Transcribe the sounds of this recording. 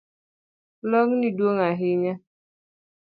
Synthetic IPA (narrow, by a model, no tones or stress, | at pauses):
lɔŋ̩niduoŋaɦɪɲa